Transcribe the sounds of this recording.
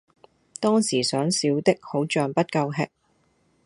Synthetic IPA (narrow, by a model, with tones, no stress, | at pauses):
t̪ɔː˥ŋsiː˨˩sœː˨˥ŋsiː˨˥wt̪ɪ˥k̚ho˨˥wt͡ʃœː˨ŋpɐ˥t̚kɐ˧wɦɛ̰˨˥k̚